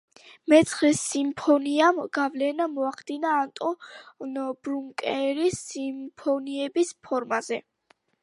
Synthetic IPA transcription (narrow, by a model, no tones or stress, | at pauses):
mɛt̪sʰχlɛsimpʰɔniamɡ̥avlɛnamɔaχd̪inaːnt̪ʼɔnbɾuŋkʼɛɾisimpʰɔniɛbispʰɔɾmazɛ